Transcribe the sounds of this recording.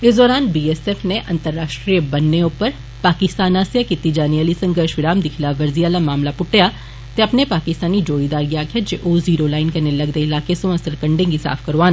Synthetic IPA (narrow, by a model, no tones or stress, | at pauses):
ɪsd̪ɔːɾaːnbiːɛːseːfneʔɐ̃nt̪əɾːaːʃʈɾijəbɐnːeʊpəɾ | paːkɪst̪aːnaːsijakɪt̪ːid͡ʒaːniɐlisɐ̃ŋɡəɾʃʋɪɾaːmd̪ɪkʰɪlaʋɐɾzijaːlamaːmlapʊʈːeja | t̪eɐpnepaːkɪst̪aːnid͡ʒoːɽid̪aːɾɡijakʰed͡ʒeʔoːziːɾolaːɪnkɐnelɐɡd̪eɪlaːkesõɐsəɾkɐ̃ɳɖẽŋɡisa̰ːfkɐɾʋaːn